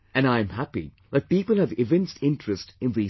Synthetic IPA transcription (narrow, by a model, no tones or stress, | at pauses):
ɨ̃nãɪɨ̃mhæpḭ | ðɛt̚piːpəl̩ˠɨvɪvɛ̃nstɪ̃ntɹ̥ɨstɨ̃nði